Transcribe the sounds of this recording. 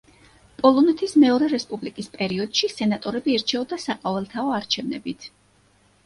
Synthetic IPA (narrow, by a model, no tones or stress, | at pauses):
pʼɔlˠɔnɛt̪ʰismɛɔɾɛɾɛspʼublikʼispʼɛɾiɔd̪̥ʃisɛnat̪ʼɔɾɛbiːɾt͡ʃʰɛɔd̪asaqʼɔvɛlˠt̪ʰaɔaɾt͡ʃʰɛvnɛ̰bit̪ʰ